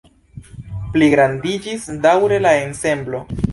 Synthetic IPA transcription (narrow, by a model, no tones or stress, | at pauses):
pliɡɾandid͡ʒisdawɾe̞lae̞nse̞mblo̞